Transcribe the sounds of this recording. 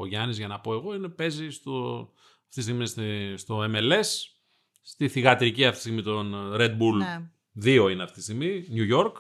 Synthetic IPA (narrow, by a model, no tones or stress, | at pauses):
o̞ʝɐnizʝɐnɐpo̞e̞ɣo̞ine̞pe̞zist̪o | ɐft̪ist̪iɣmisst̪o̞e̞me̞le̞sː | t̪iθiɣɐt̪ɾiciɐft̪i̥siɣmit̪o̞nɾe̞d̪̚bul | ðio̞ineɐft̪iist̪iɣmiɲuʝo̞ɾk